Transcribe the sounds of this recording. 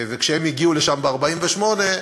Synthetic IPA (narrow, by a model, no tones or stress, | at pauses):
vekʃehemiɡiuleʃambeaʁbaimveʃmo̞ne̞